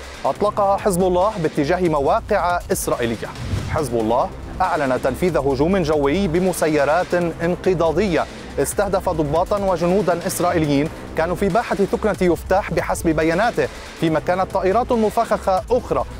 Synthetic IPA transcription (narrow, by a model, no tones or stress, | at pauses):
ʔɑt̪ˤlɑqɑhaħɪzbʊlˤːɑːhbɪt̪ːɪʒaːhɪmawaːqɪʕaʔɪsɾˤɑːʔilɪjːaħɪzbʊlˤːɑːh | ʔaʕlanat̪anfiːðaɦʊʒuːmʒawːɪjbɪmʊsajːɑɾˤɑːt̪ʔɪnqɨd̪ˤɑːd̪ɪjːa | ʔɪst̪ahd̪afad̪ˤʊbːɑːt̪ˤɑnwaʒʊnuːd̪anʔɪsɾˤɑːʔɪlɪjːiːn | kaːnufibaːħaθʊknajʊft̪aːħbɪħasbbajaːnaːt̪ɪh | fiːmakaːnat̪ˤːɑːʔɪɾˤɑːt̪lmʊfaxaxaʔʊxɾˤɑ